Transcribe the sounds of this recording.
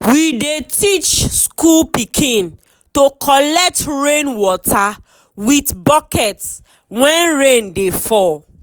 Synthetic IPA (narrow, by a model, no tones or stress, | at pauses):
widetʰit͡ʃskulpikʰĩn | tokʰɔlɛk̚tɹẽnwɔtʰa | witbɔkɛts | wɛ̃nɹẽndefɔ